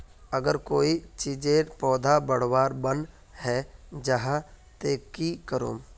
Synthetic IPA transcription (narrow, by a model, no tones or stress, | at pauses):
əɡəɾkoːit͡ʃiːd͡ʒeːpɔːd̪ʱabəɽ̤waːɾbən | hɛːd͡ʒəɦã | t̪eːkikəɾo̰ːm